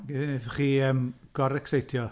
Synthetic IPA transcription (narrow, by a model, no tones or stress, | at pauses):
ɡeðɪnɨðχiːəmɡ̥ɔɾɛksejtʰjɔ